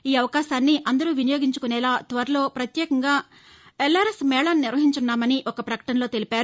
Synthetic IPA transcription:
iːɐʋɐkaːʃaːnːiʔɐnd̪ɐɾuːʋinɐjo̞ːɡiɲt͡ʃukunɛːlaːt̪ʋɐɾɐlo̞ːpɾɐt̪jɛːkɐŋɡaː | elːaːɾesmɛːɭaːnniɾʋɐɦiɲt͡ʃunːaːmɐniʔɔkɐpɾɐkɐ̥ʈɐnɐlo̞ːt̪e̞lipaːɾu

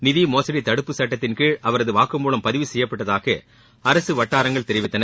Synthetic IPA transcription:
nɪðimoːsɐɽit̪ɐɽɯpːɯsɐʈːɐt̪ːɪnkɯʔɐʋɐɾɐðɯʋaːkɯmːuːlɐmpɐðɪʋɯsɛjːɐpːɐʈːɐðaːɣɐ | ɐɾɐsɯʋɐʈːaːɾɐŋɡɐɭt̪ɛɾɪʋɪt̪ːɐnɐ

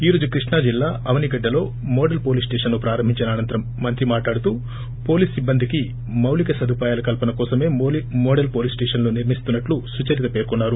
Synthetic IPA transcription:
iːɾo̞ːd͡ʒukɾiʂɳaːd͡ʒilːaːɐʋɐniɡɐɖːɐlo̞ː | mɔːɖɐlpo̞ːliːsʈeːʂɐnloːpɾaːɾɐmbʱiɲt͡ʃɐnaːnɐnt̪ɐɾɐmːɐnt̪ɾimaːʈlaːɽut̪uː | po̞ːliːsibːɐnd̪ʱiki | mɐwlikɐsɐd̪ʱupaːjaːlɐkɐlpɐnɐkɔːsɐme̞ːmoːɖɐlpo̞ːliːsʈeːʂɐnloːniɾmist̪unːɐʈlusut͡ʃɐɾit̪ɐpeːɾkunːaːɾu

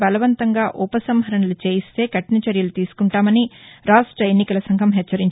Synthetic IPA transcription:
bɐlɐʋɐnt̪ɐŋɡaːʔupɐsɐmɦɐɾɐɳɐlut͡ʃe̞ːjist̪e̞ːkɐʈnɐt͡ʃɐɾjɐlut̪iːsu̥kuɳʈaːmɐniɾaːʂʈɾɐenːikɐlɐsɐŋɡʱɐmɦɛt͡ʃːɐɾiɲt͡ʃ

